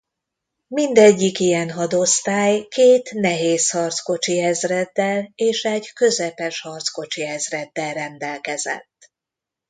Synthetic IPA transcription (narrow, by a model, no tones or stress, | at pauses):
mind̪ɛɟːikijɛnɦɒd̪o̞st̪aːjkeːt̪nɛɦeːshɒrt̪sko̞t͡ʃiɛzrɛd̪ːɛleːʃɛɟkø̞zɛpɛʃhɒrt̪sko̞t͡ʃiɛzrɛd̪ːɛlrɛnd̪ɛlkɛzɛ̰t̪ː